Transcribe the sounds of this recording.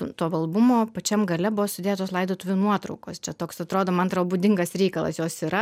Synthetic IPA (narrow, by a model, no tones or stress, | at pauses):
t̪oːʋɐlˠbʊmoːpɐt͡ʃʲɛmɡɐlʲɛbʊʋoːst̪ʲʊdʲeːɛt̪oːslˠɐɪd̪oːt̪ʊʋʲuːnuɔt̪ɾɐʊko̰ːst͡ʃʲɛt̪oːksɐt̪ɾoːd̪oːmɐnt̪ɾɐbuːd̪ʲɪŋɡɐsɾʲɛɪkɐlˠɐ̰sjoːsiɾɐ